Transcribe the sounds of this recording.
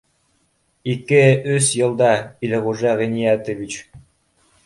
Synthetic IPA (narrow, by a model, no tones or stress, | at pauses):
ikɘɵsjɤ̆lˠd̪ɑilʁuʒɑʁinijæt̪əvit͡ɕ